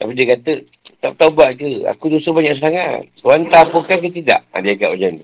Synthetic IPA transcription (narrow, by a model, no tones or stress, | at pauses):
t̪apidiəkat̪ə | t̪ap̚t̪aubaʔkəa̰kudusəbaɲãʔsəaŋa̰t̪̚swant̪apukank̬ət̪̬ida̰ʔa̰diakaʔod͡ʒan